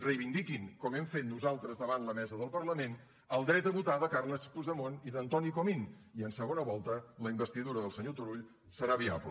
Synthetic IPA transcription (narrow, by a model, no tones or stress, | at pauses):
rəjβind̪ikinkɔmɛmfet̪nuzalˠt̪ɾəzðəβanləmɛzəðəlˠpəɾləmen | əlˠd̪ɾɛt̪əβut̪aðəkarləspuzðəmoniðənt̪ɔnikomin | iənsəɣonəβɔlˠt̪ələimbəst̪iðuɾəðəlˠsəɲot̪uɾuʎ | səɾaβia̰bl